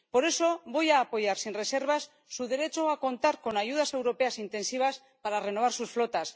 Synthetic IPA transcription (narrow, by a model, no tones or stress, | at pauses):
po̞ɾe̞so̞βo̞jaːpo̞ʝaɾsinre̞se̞ɾβ̞asːuðe̞ɾe̞t͡ʃo̞ako̞nt̪aɾko̞naʝuð̞ase̞wɾo̞pe̞asint̪e̞nsiβ̞as | paɾare̞no̞β̞aɾsusflo̞t̪as